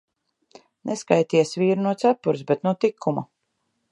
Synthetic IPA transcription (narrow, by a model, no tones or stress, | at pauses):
nʔeskajt̪iɛsviːɾnuɔt̪sapːuɾsbet̪nut̪ikʰːuma̰